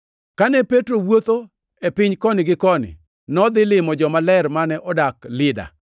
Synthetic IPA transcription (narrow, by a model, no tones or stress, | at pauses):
kanɛpetɾowot̪o | epɪɲkɔnɪɡɪkɔnɪ̰ | nɔd̪ɪlɪmɔd͡ʒɔmalɛrmanɛʔɔdaklɪda̰